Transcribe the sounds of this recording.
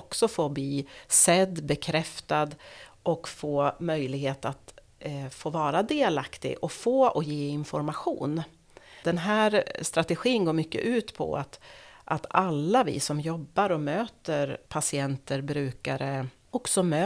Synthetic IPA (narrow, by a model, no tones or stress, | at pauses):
ɔksɔfoːbliːsɛd̪ːbɛkʰɾɛft̪ad̪ʔɔkfoːmœjlɪɡheːt̪at̪ | foːvɑːɾad̪eːlakt̪ɪ̰ɡʔɔfoːɔjeːɪnfɔɾmaɧṵːn | d̪ɛnɦæːɾst̪ɾat̪ɛɧiːnɡoːɾmʏkːə̰ʔʉ̟ːt̪pʰɔ̰a̰t̪ʔat̪alːavɪ̰sɔmjɔbːaɾɔmøːt̪əɾpʰasɪɛnt̪əɾbɾʉ̟ːkaɾə | ɔksɔmøː